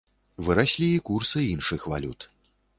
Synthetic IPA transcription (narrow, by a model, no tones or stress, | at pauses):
vɨɾasʲlʲiːkursɨinʂɨxva̰lʲut̪